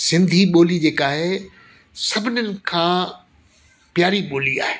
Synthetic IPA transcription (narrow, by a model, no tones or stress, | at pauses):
sɪ̃nd̪ʱiɓoːlid͡ʑeːkaːɦe | sɐbʱɪnənɪ̆kʰãː | pjaːɾiɓoːlia̰ːɦeː